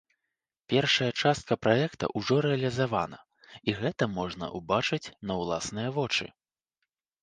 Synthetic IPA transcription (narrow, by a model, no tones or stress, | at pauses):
pʲɛrʂɐjɐt͡ʂast̪̚kʰɐpɾajɛkt̪ɐ̰ʔuʐɔɾɛɐlʲizavanɐ̰ | iɣɛt̪ɐmɔʐnɐ̰ʔubat͡ʂɨt͡sʲnɐwlˠasnɨjɐvɔt͡ʂɨ̰